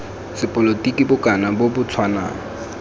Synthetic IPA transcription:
sɪpʼɔlotʼikʼibʊkʼanabobʊt͡sʰwanaːŋ̩

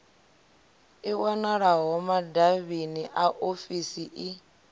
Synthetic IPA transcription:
iwanaɺaɦɔmadaβiniʔaʔofisiʔi

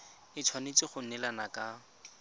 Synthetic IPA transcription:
ɪt͡sʰwanet͡sɪχʊnɛlanakʼa

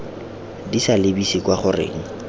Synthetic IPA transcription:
disalɪbisikwaχʊrḛːŋ̩

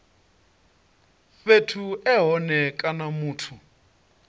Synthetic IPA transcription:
fetʰuɛɦɔnɛkʼanamuːtʰu

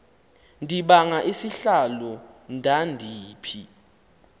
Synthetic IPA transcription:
ndʱiɓaŋaʔisiɬalɔndʱandʱiːpʰḭ

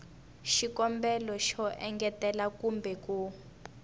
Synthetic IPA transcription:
ʃikɔmbɛlɔʃɔʔɛŋɡɛtɛlakumbɛku

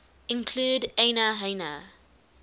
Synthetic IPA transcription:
ɪ̃nkʰl̥uːdenəɦenə̰

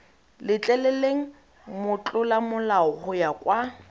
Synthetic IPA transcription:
lɪt͡ɬʼɛlɛleŋ̩ | mʊt͡ɬʼʊlamʊlaɔhʊjakʼwa

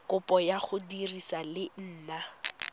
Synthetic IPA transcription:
kʊpʼɔjaχʊdirisalɪn̩ːna

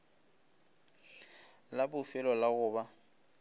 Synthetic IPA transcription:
labʊfɪlɔlaɣʊːba

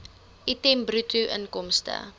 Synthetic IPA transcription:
ʔitɛmbrutuʔə̰nkɔmstə̰

